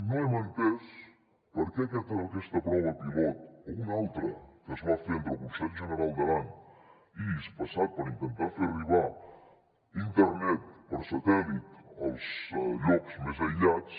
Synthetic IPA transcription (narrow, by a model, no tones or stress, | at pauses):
noemənt̪ɛs | pəɾkɛkɛt̪aokɛst̪əpɾɔβəpilɔt̪̚ounalˠt̪ɾəkəzβafent̪ɾəlˠkunsɛʎʒənəɾalˠd̪əlaɲ | ispəsat̪̚pəɾint̪ənt̪aɾferiβa | int̪əɾnɛt̪̚pəɾsɐt̪ɛlit̪əlˠzʎɔkz̥mezəʎat͡s